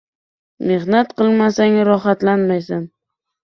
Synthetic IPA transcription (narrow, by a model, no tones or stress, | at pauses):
mehnat̪qʰɨlˠmasaŋɾɒχat̪lanmajsan